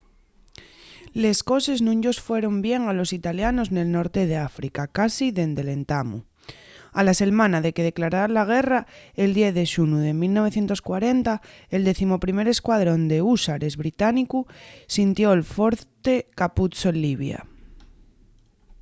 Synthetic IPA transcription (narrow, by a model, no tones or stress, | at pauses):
le̞sko̞se̞znũɲɟo̞sfwe̞ɾo̞mbje̞ŋalo̞sit̪aljano̞zne̞lno̞ɾt̪e̞ð̞e̞afɾikakasiðe̞nd̪e̞le̞nt̪amṵ | alase̞ɾmãnaðe̞ke̞ð̞e̞klaɾalaɣ̞e̞rae̞ld̪jeθðe̞ʃunuðe̞milno̞β̞e̞θjent̪o̞skwaɾe̞nt̪ae̞ld̪e̞θimo̞pɾime̞ɾe̞skwaðɾo̞nd̪e̞usaɾe̞zβɾit̪anikusint̪jo̞elfo̞ɾt̪e̞kaput͡soenliβ̞ja̰